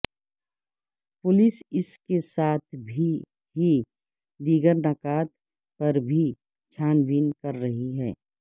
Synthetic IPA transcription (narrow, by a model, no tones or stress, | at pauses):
pʊlɪsɪskesaːt̪ʰbʱi | ɦi | d̪iːɡəɾnɐkaːt̪ | pɐɾbʱi | t͡ʃʰaːnbiːnkɐɾːɐɦiɦɛː